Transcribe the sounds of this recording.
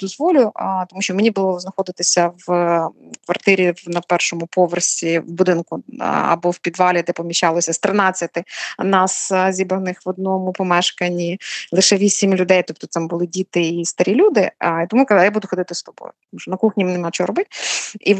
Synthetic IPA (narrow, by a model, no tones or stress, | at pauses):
d̪ɔzʋɔlʲʊt̪ɔmuʃt͡ʃɔmenʲibʊlˠɔznɐxɔd̪ɪt̪ɪsʲɐʋ | kʋɐrt̪ɪɾʲiʋnɐpɛrʃɔmʊpɔʋersʲiwbʊd̪ɪnkʊɐ̰bɔwpʲid̪ʋɑlʲid̪ɛpɔmʲiʃʲt͡ʃɑlˠɔsʲɐst̪ɾɪnɑt͡sʲːɐt̪ɪnɑszʲibɐnɪxʋɔd̪̚nɔmʊpɔmɛʃkɐnʲilˠɪʃɛʋʲisʲimlʲʊd̪ɛjt̪ɔp̚t̪ɔt̪ɪmbʊlˠɪdʲit̪ɪist̪ɐɾʲilʲud̪ɪit̪ɔmukɐzjabud̪ʊxɔd̪ɪt̪ɪst̪ɔbɔ̰jʊt̪ɔmuʃt͡ʃɔnɐkuxnʲimɛnɛmɑt͡ʃɔɔɾɔbɪt̪ʲi